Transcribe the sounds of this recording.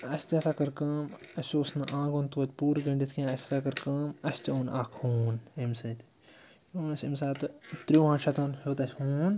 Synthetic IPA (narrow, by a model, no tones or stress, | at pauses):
ɐsʲt̪ʲɐsakɐɾkɐːm | ɐsʲoːsnɨʔãːɡõːnt̪uːt̪ʲpuːɾɡɐɳɖit̪ʰkʰiãɐsʲsakɐɾkɐːmɐsʲt̪ʲioːnaːkʰuːnemsɐt̪ | joːnɐsʲimsaːt̪t̪ɾiãːnʃɐt̪aːnhoːt̪ɐsʲhuːn